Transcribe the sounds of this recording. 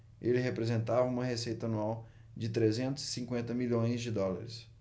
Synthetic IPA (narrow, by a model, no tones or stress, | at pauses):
elɪɦepɾezẽnt̪avɐũmɐɦesejt̪ɐanuaw | d͡ʒɪt̪ɾezẽnt̪ʊz̥ɪ̥sĩŋkwẽnt̪ɐmilõj̃zd͡ʒɪd̪ɔlaɾɪs